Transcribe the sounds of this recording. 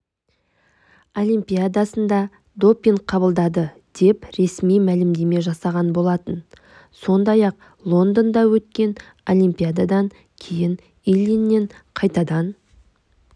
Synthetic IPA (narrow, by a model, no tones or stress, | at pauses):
o̞lʲˠijmpʲijad̪asənd̪ɑ | d̪o̞pːiɴqʰɑbəlˠd̪ɑd̪ə | d̪̥e̞pɾe̞smijmælɪmd̪e̞me̞ʒɑsɑʁɑnbo̞lˠɑt̪ən | so̞nd̪ɑjɑq | lˠo̞nd̪ond̪ɑwɵt̪kʲe̞n | o̞lʲˠimpʲijad̪ad̪ɑŋ | kʲʰe̞jɪn | ilinːe̞ɴqʰɑjt̪ɑd̪ɑn